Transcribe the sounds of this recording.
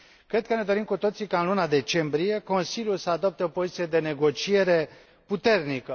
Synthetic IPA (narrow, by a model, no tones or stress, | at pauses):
kɾe̞d̪̚kəne̞d̪o̞ɾimkut̪o̞t̪sikaɨnlunad̪e̞t͡ʃe̞mbɾije̞ko̞nsiljulsəad̪o̞p̚t̪eo̞po̞zit̪sije̞d̪e̞ne̞ɡo̞t͡ʃije̞ɾe̞ | put̪e̞rnikə